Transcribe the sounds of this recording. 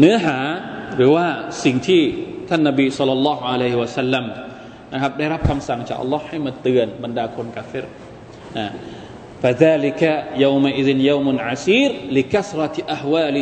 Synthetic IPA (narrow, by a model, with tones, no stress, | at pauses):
nɯː˦˥ɐɦaː˩˦ɾɯː˩˦waː˥˩si˨˩ŋt̪ʰiː˥˩t̪ʰa˥˩nːa˧biː˧sɑ˦˥lːɔ˧lːɑː˦˥hu˧ʕa˧la˦jhi˧wa˧sa˥lːa˧m | na˦˥kʰɾa˦˥p̚da˥˩jɾa˦˥p̚kʰa˧msa˨˩ŋt͡ɕa̰ː˨˩k̚ʔa̰˧lːɔː˦˥ha˥˩jmaː˧t̪ɯ˧ənba˧ndaː˧kʰo˧nkaː˧fi˦˥ɾ | na˧˨˩ | fa˨ðaː˧li˧ka˧ja˧wma˧ʔi˦˧ði˧nja˧wmnʕa˨siː˦ɾli˧ka˦sɾˤɑ˧ʔa˨hwaː˥˧l